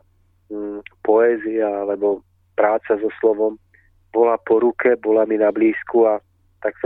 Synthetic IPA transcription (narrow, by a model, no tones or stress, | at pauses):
pɔɛːziaalɛbɔ | pɾaːt͡sazɔslɔʋɔm | bɔlapɔɾukɛbɔlaminabliːskua | t̪aks